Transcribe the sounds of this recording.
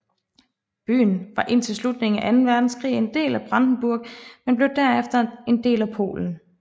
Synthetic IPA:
b̥y̰ːn̩ʋɑ̈ʔe̝nt͡sʰe̝lslud̥ne̝ŋ̩æʔænn̩ʋæɐd̥n̩skʰʁḭːe̝nd̥e̝̰ːlæb̥ʁɑ̈nd̥n̩b̥uɐɡ̥̚menb̥le̝ʊd̥æɐefd̥ɐe̝nd̥e̝̰ːlæpʰo̝̰ːln̩

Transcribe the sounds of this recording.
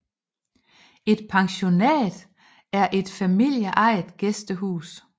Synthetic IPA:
e̝d̥̚pʰɑ̈ŋɕo̝nɛ̰ːd̥ | æɐʔe̝d̥fæmil̰jəʔɑ̈ɪd̥ɡ̥esd̥əɦṵːs

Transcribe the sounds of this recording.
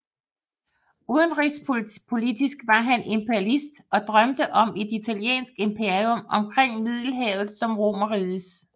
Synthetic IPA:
uðˠənʁispʰo̝lid̥isɡ̥ʋɑ̈ɦænʔe̝mpʰeælisd̥ɒ̽d̥ʁɶmd̥əʔɒ̽me̝d̥it͡sʰæljḛːnsɡ̥e̝mpʰe̝ɐiomɒ̽mkʰʁeŋ̰mið̞̰ˠl̩ɦɛ̰ːʊð̩ˠsɒ̽mʁo̝̰mɐʁiːðˠəs

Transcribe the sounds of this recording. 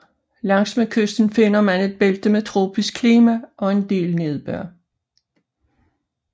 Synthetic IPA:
lɑ̈ŋ̰smekʰøsd̥n̩fe̝n̰ɐmæne̝d̥̚b̥eld̥əmet͡sʰʁo̝ːb̥isɡ̥̚kʰliːmæʔɒ̽e̝nd̥e̝̰ːlne̝ð̞ˠb̥œɐ̰

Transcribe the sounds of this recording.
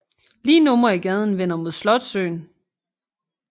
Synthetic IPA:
liːnɔ̽mɐiɡ̥ɛð̞ˠn̩ʋen̰ɐmo̝ð̞̰ˠslɒ̽d̥sø̰ːn

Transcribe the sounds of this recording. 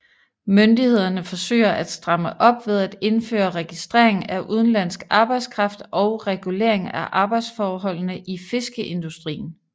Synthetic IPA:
mønd̥ihe̝ð̰ˠɐnəfɒ̽sø̰ːɐʔæd̥sd̥ʁɑ̈məʔɒ̽b̥ʋe̝ð̞ˠæd̥e̝nfø̰ːɐʁɛɡ̥isd̥ʁɛ̰ɐ̰eŋn̩æʔuð̞ˠn̩læn̰sɡ̥ɑ̈ːb̥ɑ̈ɪd̥skʰʁɑ̈fd̥ʔɒ̽ʊʁɛɡ̥ule̝̰ɐ̰eŋæʔɑ̈ːb̥ɑ̈ɪd̥sfɒːɦɒ̽l̰nəʔife̝sɡ̥əʔe̝nd̥usd̥ʁḭːn̩

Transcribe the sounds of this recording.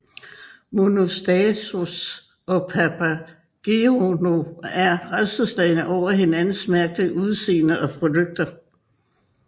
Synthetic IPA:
mo̝nosd̥ɛt͡sʰus | ɒ̽pʰæpʰæ | ɡ̥eono̝æɐʁasd̥əsd̥ɛɪnəʔɒʊ̰ɐɦe̝nænn̩smæɐɡ̥̚d̥əʔuð̞ˠse̝̰ːnɐʔɒ̽pʰʁo̝d̥øɡ̥̚d̥ɐ

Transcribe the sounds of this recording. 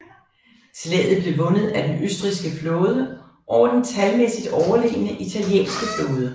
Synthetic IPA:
t͡sʰelɛ̰ːð̩ˠb̥le̝ʋɔ̽nəð̞̩ˠæd̥enʔøsd̥ʁisɡ̥əfloːðˠə | ʔɒʊɐd̥ent͡sʰælmesid̥ɒʊɐle̝̰ːənəʔit͡sʰæljḛːnsɡ̥əfloːð̞ˠə

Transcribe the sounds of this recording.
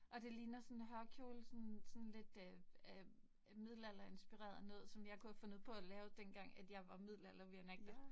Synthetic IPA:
ʔɒ̽d̥e̝liːnɐsɔ̽nɦɶɐkʰjo̝ːlsɔnsɔ̽nle̝d̥øæ | mið̞̰ˠlæl̰ɐe̝nsb̥iʁɛ̰ːɐðˠne̝ð̰ˠsɒ̽mjɑ̈ɪkʰuhæfɔ̽nuð̰ˠpʰɒ̽ælɛːʊd̥enɡ̥ɑ̈ŋ̰æd̥jɑ̈ɪʋɑ̈mið̰ˠlæl̰ɐʋeæneɡ̥̚d̥ɐ

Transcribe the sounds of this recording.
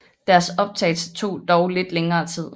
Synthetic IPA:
d̥æɐsɒ̽b̥̚t͡sʰɛ̰ɪlsə̥t͡sʰo̝̰ːd̥ɒʊle̝d̥leŋɐːt͡sʰið̞̰ˠ

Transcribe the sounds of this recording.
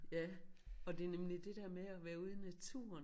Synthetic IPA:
jæɒ̽d̥e̝ɐnemlid̥e̝d̥eɐ̰meæʋæːɐuð̞ˠnæt͡sʰṵːɐn

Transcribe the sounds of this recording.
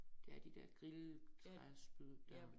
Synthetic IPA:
d̥e̝æɐd̥id̥eɐ̰ɡ̥ʁilt͡sʰʁasb̥yðˠd̥æ

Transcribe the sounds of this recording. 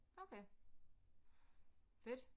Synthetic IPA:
ʔoʊkʰeɪ | fɪd̥

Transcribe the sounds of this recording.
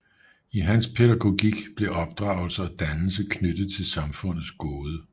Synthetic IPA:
iɦænspʰe̝ɾæɡ̥o̝ɡ̥iɡ̥b̥le̝ʔɒ̽b̥̚d̥ʁɑ̰̈ʊl̩sɐɒ̽d̥ænl̩səkʰnød̥ð̩ˠt͡sʰe̝lsɑ̈mfɔ̽n̰ð̩ˠsɡ̥oːðˠə

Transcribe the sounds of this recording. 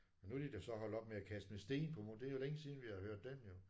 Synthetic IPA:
ɒnud̥id̥esɒ̽ɦɒ̽l̰̥ɒ̽b̥̚meækʰæsd̥mesd̥e̝̰ːnpʰɒ̽mod̥e̝ɐjo̝leŋəsiːðˠn̩ʋihɑ̈høɐ̰d̥ːemjo̝

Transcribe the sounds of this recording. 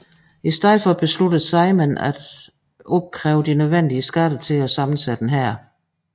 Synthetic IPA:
isd̥eð̰̩ˠfɒ̽b̥e̝slud̥əð̩ˠsɑ̈ɪmenæd̥ | ʔɔb̥̚kʰʁɛːʊəd̥inøð̞ˠʋen̰d̥iəsɡ̥æd̥ət͡sʰe̝læsɑ̈mn̩sæd̥n̩ɦæɐ̰

